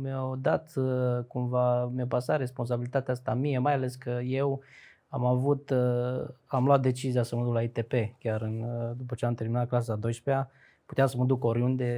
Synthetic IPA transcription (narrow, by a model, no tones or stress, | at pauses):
meawd̪at̪kumvamapasat̪ɾe̞spo̞ns̬abilit̪at̪east̪amije̞majale̞skəje̞w | amavut̪ | amloat̪̚d̪e̞t͡ʃizijasəməd̪uklait̪e̞pe̞kʲaɾɨnd̪upət͡ʃeamt̪e̞rminat̪̚klas̬ad̪o̞jʃpea | put̪easəməd̪uko̞ɾiund̪e̞